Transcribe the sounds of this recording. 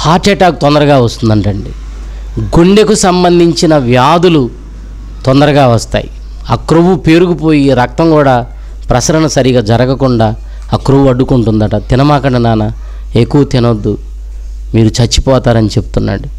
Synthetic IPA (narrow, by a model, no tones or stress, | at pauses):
haːʈeːʈaːkut̪ɔnd̪ɐɾɐɡaːʋɐst̪und̪ɐɳʈɐɳɖi | ɡuɳɖe̞kusɐmbɐnd̪ʱiɲt͡ʃinɐʋjaːd̪ulu | t̪ɔnd̪ɐɾɐɡaːʋɐst̪a̰ːji | aːkɾoʋupe̞ːɾukupoːjiɾɐk̚t̪ɐŋkuːɽaː | pɾɐsɐɾɐnɐsɐɾiɡaːd͡ʒɐɾɐɡɐkuɳɖaː | aːkɾoʋuɐɖːukuɳʈund̪ɐʈɐt̪inɐmaːkɐɳɐnaːnɐ | e̞kːuʋɐt̪inɐd̪ːu | miːɾut͡ʃɐt͡ʃːi̥pɔːt̪aːɾɐnit͡ʃe̞bu̥t̪unːa̰ːɽu